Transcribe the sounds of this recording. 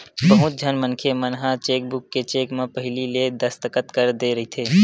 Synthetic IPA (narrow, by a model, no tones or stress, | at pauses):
bəɦʊt̪̚d͡ʒʱənmənkʰemənɦãt͡ʃeːk̚bʊkːet͡ʃeːkmẽpəɦɪliled̪əst̪əkət̪kəɾd̪eɾɐɦit̪ʰeː